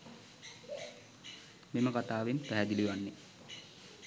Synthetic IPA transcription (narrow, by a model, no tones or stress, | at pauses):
meməkat̪aːʋenpɾæɦæd̪iliʋanːe